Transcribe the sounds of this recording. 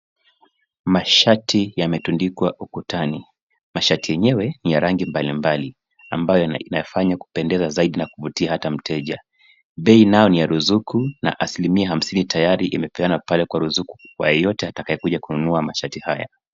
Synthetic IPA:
maʃatʰijamɛtundikwaʔukutani | maʃatijɛɲɛwɛnijaɾaŋɡimbalimbali | a̰mbajɔinajafaɲaku̥pɛndɛzazaiɗinakuvutiahatam̩tʰɛʄa | ɓɛinajɔnijaɾuzukuna̰ʔasilimiaɦam̩sinitajaɾiʔimɛpɛanapalɛkwaɾuzuku̥kwa̰jɛjɔtɛatakajɛkuʄakununuamaʃatihaja̰

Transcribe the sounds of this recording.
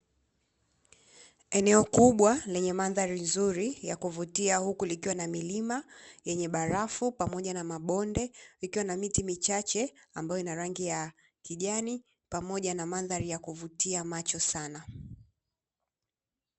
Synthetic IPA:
ɛnɛɔkuɓwalɛɲɛmanðaɾinzuɾijakuvutiahukulikiwanamilimajɛɲɛɓaɾafupamɔʄanamaɓɔndɛikiwanamitimit͡ʃat͡ʃɛambajɔinaɾaŋɡija | kiʄani | pamɔʄanamanðaɾijakuvutiamat͡ʃɔsana

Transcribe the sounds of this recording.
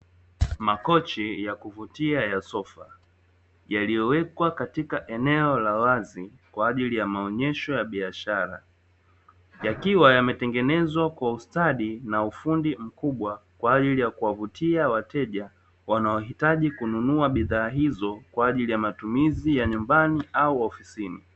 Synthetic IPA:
makɔt͡ʃɛjakuvutiajasɔfa | jalijɔwɛkwakatikaʔɛnɛɔlawazi | kwaːʄilijamaɔɲɛʃɔjaɓiaʃaɾa̰ | jakiwajamɛtɛŋɡɛnɛzwakwaustaɗinaufundim̩kuɓwakwaːʄilijakuwavutiawatɛʄa | wanaɔɦitaʄikununuaɓiðaːɦizɔkwaːʄilijamatumizijaɲumbaniauɔfisinḭ

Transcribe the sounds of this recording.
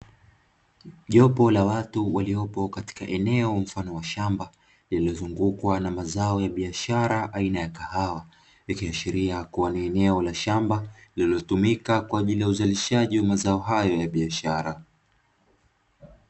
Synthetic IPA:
ʄɔpɔlawatuwaliɔpɔkati̥ka̰ʔɛnɛɔm̩fanɔwaʃamba | lililɔzuŋɡukwanamazaɔjaɓiaʃaɾaʔainajakahawa | jakiaʃiɾiakuwaniɛnɛɔlaʃambalililɔtumikakwaːʄilijauzaliʃaʄiwamazaɔɦajɔjaɓiaʃaɾa

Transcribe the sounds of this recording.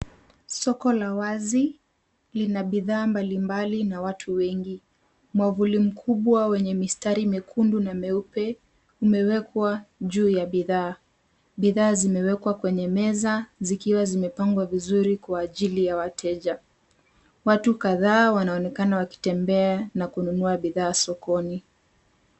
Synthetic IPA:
sɔkɔlawazi | linaɓiðaːmbalimbalinawatʰuwɛŋɡi | mwavulim̩kʰuɓwawɛɲɛmistaɾimɛkʰundunamɛupɛ | umɛwɛkwaʄuːjaɓiðaː | ɓiðaːzimɛwɛkwakwɛɲɛmɛzazikiwazimɛpaŋɡwavizuɾikwaːʄilijawatʰɛʄa | watukaðaːwanaɔnɛkanawaki̥tɛmbɛanakununuaɓiðaːsɔkɔni

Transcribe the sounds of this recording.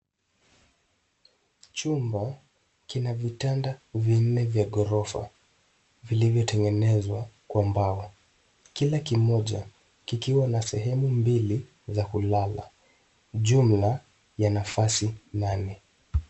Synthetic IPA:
t͡ʃumba | kinavitandavin̩nɛvjaɠɔɾɔfa̰ | vilivjɔtɛŋɡɛnɛzwakwambaɔ | kilakimɔʄa | kikiwanasɛɦɛmumbili | zakulala̰ | ʄum̩la | janafasinanɛ

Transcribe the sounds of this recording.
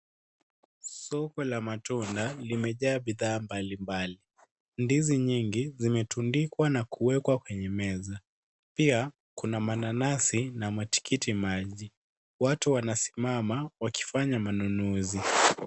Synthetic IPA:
sɔkɔlamatundalimɛʄaːɓiðaːmbalimbali | ndiziɲiŋɡizimɛtundikwanakuɛkwakwɛɲɛmɛza | pia | kunamananasinamwɛti̥kʰitimaʄi | watuwanasi̥mamawaki̥faɲamanunuzi

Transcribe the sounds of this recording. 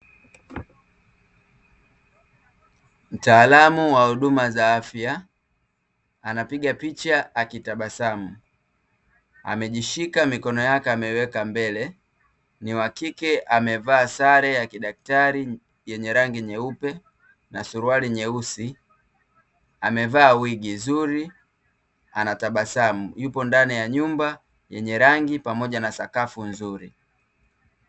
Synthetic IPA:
m̩taːlamuwahuɗumazaafja | anapiɠapit͡ʃaːkitaɓasamu | a̰mɛʄiʃikamikɔnɔjakɛamɛwɛkambɛlɛ | niwakikɛʔamɛvaːsaɾɛjakiɗak̚taɾi | jɛɲɛɾaŋɡiɲɛupɛ | nasuɾualiɲɛusi | amɛvaːwiɡizuɾi | anataɓasamujupɔndanijaɲumba | jɛ̰ɲɛɾaŋɡipamɔʄanasakafunzuɾi

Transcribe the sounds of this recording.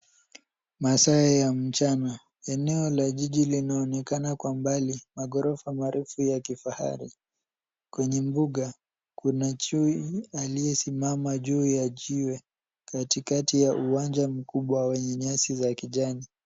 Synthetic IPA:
masaɛjam̩t͡ʃana | ɛnɛɔlaʄiʄilinaɔnɛkanakwambalimaɠɔɾɔfamaɾʔufujakifaha̰ɾḭ | kwɛɲɛmbuɠa | kunat͡ʃuialijɛsimamaʄuːjaʄiwɛ | katikatijaʔuwand͡ʒam̩kuɓwawɛɲɛɲasizakiʄani

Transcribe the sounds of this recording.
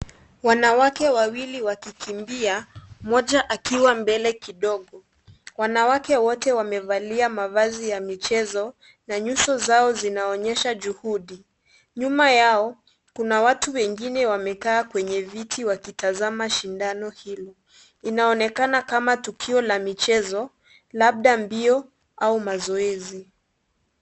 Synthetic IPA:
wanawakɛwawiliwakikʰimbiamɔʄaʔakiwambɛlɛkiɗɔɠɔ | wanawakɛwɔtɛwamɛvaliamavazijamit͡ʃɛzɔ | naɲuʃɔzaɔzinaɔɲɛʃaʄuhuɗi | ɲumajaɔ | kunawatuwɛŋɡinɛwamɛkaːkwɛɲɛvitiwakitazamaʃindanɔhilɔ | inaɔnɛkanakamatukʰiɔlamit͡ʃɛzɔ | laɓ̚ɗambiɔ | aumazɔɛzi

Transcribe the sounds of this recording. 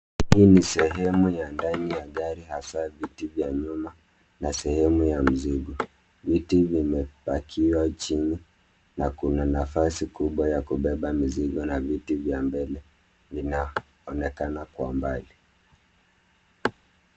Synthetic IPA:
hiinisɛɦɛmujandanijaɠaɾihasavitivjaɲuma | nasɛhɛmujam̩ziɠɔ | vitivimɛpakʰiwat͡ʃini | nakunanafasikuɓwajakuɓɛɓamiziɠɔnavitivjambɛlɛ | vina | ɔnɛkanakwa̰mbali

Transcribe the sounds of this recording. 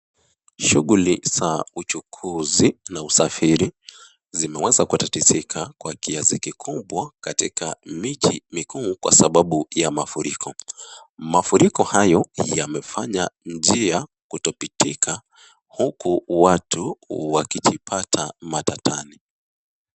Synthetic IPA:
ʃuɠuliz̥aut͡ʃukʰuzinausafiɾi | zimɛwɛzakutatisikʰakwakiazikikʰubwakatikʰamit͡ʃimikuːkwa̰saɓaɓujamafuɾikʰɔ | mafuɾikɔhajɔjjamɛfaɲand͡ʒia | kutɔpitʰikʰa | hukuwatʰuwakit͡ʃipʰatʰamatatʰani

